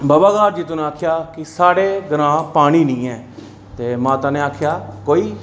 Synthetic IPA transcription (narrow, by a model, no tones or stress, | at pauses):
bəːbaːɡaːɾd͡ʒiːt̪ʊnẽːaːkʰjaːkɪsaːɽeːɡəɾãːpaːɽ̃iːnĩːɛː | t̪eːmãːt̪aːneːaːkʰjaːkoːiː